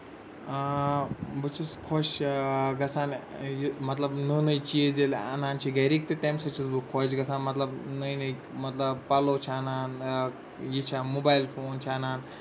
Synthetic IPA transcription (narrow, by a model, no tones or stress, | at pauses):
bɨt͡ʃʰiskʰoʃɡɐsaːnjimɐt̪lɐbnɨnɨjt͡ʃiezelɐ̰naːnt͡ʃʰiɡɐjɾiːk̚t̪et̪emsɐt͡ʃʰisbɨkʰːoʃ̬ɡɐsaːnmɐt̪lɐbnɨjnɨj | mɐt̪lɐbpɐloːt͡ʃʰːnaːn | jit͡ʃʰamobaːjlfoːnt͡ʃʰiɐnaːn